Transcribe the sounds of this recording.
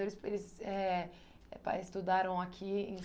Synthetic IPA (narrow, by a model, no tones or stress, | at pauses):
oɾɪselɪzɛ | pa̰ɪst̪ud̪aɾɐ̃w̃akʲʰiḛ̃